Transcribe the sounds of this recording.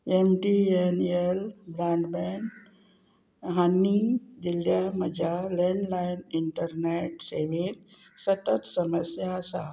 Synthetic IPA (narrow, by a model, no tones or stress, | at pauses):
emʈienelbɾãːɳɖben | ɦanːid͡ʒiljaməd͡ʒalẽɳɖlaɪniɳʈəɾneʈseʋen | sət̪ət̪səməsjasa